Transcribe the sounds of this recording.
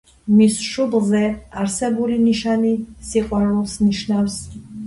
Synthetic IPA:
misʃublˠzɛaɾsɛbuliniʃanisiqʼwaɾulˠsniʃnafs

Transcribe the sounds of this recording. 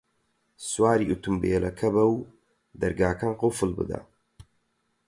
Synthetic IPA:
swaːɾiʔut̪umbeːlɐkʰɐbɐw | d̪ɐɾɡaːkʰɐnqʊfɨlbɨ̰d̪ɐ̰

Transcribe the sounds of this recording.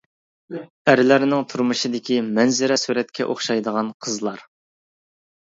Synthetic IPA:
æɾɪlɪɾɪnɪŋt̪ʰuɾmɨʃid̪ɪkʲimɛnzɪɾɛsuɾɛt̪̚kʲʰɛʔoχʃɑjd̪əʁɑnqʰəzlˠɑɾ

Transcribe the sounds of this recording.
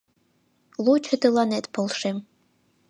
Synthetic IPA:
lˠut͡ʃʰɨd̪ɨlɑnet̪pʰolˠʂem

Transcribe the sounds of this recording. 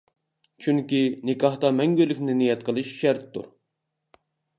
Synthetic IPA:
t͡ʃʰyŋkʲinɪkʰɑht̪ɑmɛŋɡʲylːɪkʲnɪnijɛt̪̚qʰəlˠɨʃʃæɾt̪ːṵɾ

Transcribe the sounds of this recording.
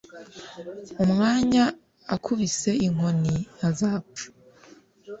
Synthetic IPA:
umŋaːɲa | akʰuβise̞iŋ̥ho̞ninazapu̥

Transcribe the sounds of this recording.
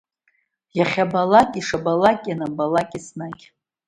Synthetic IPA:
jaχʲabalakʲʼiʂabalakʲʼjanabalakʼisnakʲʼ

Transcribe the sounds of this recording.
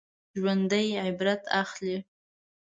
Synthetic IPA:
ʒwand̪əjʕɪbɾat̪ʰaχli

